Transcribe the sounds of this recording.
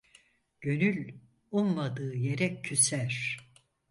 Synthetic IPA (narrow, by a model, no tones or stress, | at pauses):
ɟ̥ø̞nylʲ | unmad̪ɯːje̞ɾɛcʰːysæɾ̥